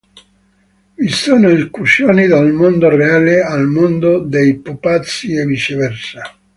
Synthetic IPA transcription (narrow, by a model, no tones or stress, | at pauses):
vist̪uːnoikusjɔːnid̪almond̪oreaːlealmond̪od̪ejpupat̪sːievit͡ʃevɛrsa